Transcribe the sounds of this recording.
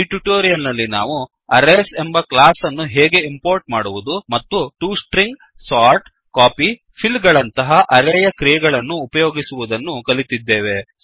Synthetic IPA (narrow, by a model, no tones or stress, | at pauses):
iʈuʈoːɾijɐlnɐlːina̰ːʋu | ɐɾeːse̞mbɐklaːsɐnːuɦeːɡe̞impoːɾʈmaːɽuʋud̪umɐt̪ːuʈuːsʈɾiŋɡ | saːɾʈ | kaːpi | pʰilːɡɐɭɐnt̪ɐɦɐʔɐɾɛjɐkɾijɛɡɐɭɐnːuːpɐjoːɡisuʋud̪ɐnːukɐlit̪id̪ːeːʋe̞